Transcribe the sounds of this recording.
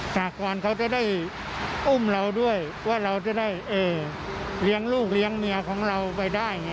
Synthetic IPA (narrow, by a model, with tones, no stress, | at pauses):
saː˨˩kɔː˨˩nkʰa˦˥wt͡ɕa˨˩daː˥˩j | ʔu˥˩mɾa˧wdu˥˩əj | waː˥˩ɾa˧wt͡ɕa˨˩daː˥˩jʔɤː˧˩ | li˦˥əŋluː˥˩k̚li˦˥əŋmɯ˧ɐkʰɔː˩˦ŋɾa˧wpa˧jdaː˥˩j